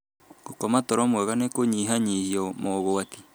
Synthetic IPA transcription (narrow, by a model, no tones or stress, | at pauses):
ɡ̥okɔmatɔɾɔmwɛɣanekoɲiɦaɲihiɔmɔɣoat̪i